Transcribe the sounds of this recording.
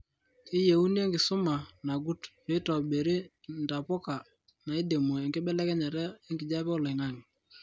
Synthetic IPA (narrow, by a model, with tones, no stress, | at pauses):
ɪ˦je˨u˦ni˦e˦ŋɡɪ˨sʊ˦ma˨na˨ɡu˦t | e˨˦tɔ˨ɓe˨ɾi˦nta˨pɔ˦ka˨ | na˨e˦de˨mo˨e˨ŋɡɪ˦ɓɛ˦lɛ˦kɛ˦ɲa˨ɾɛ˦e˦ŋɡɪ˨d͡ʒa˦pɛ˦ʊ˦la˨ŋa˦˨ŋɪ˨